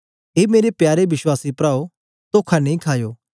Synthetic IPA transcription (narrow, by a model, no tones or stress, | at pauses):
ɦeːmeːɾepjaːɾeʋɪswaːsipɾaːo | t̪oːkʰanẽĩkʰaːjoː